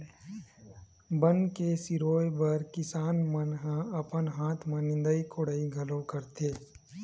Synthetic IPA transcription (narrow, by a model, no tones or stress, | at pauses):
bənkesɪɾoːjbəɾkɪsaːnmənɦãɐpənɦaːt̪ʰmãnɪ̃nd̪əikʰoɽəiɡʱɐlõkɐɾt̪eː